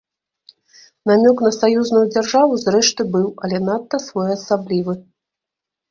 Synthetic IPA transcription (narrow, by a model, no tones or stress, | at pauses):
namʲɔknɐsajuznujud͡zʲarʐavuzrɛʂt̪ɨbɨwɐlʲɛnat̪ːɐsvɔjɐsablʲivɨ